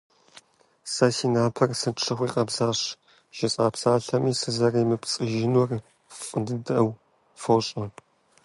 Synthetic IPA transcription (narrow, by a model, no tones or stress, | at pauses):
sɐsiːnaːpʰɐrsɨʂʰɐχʷiːqʼɐbzaːɕ | ʒ̥ɐt͡sʼaːpsaːɬɐmiːsɨzɐrɐjmɨpt͡sʼɨʒɪnwɔr | fʼɨndɨdɐw | fɐwɕʼɐ